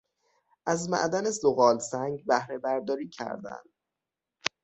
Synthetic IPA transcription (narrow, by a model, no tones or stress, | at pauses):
ʔæzmæ̰ʔd̪ænesoɣɒːlsæŋɡbæhɾe̞bæɾd̪ɒːɾiːcʰæ̰ɾd̪æ̰nd̪̥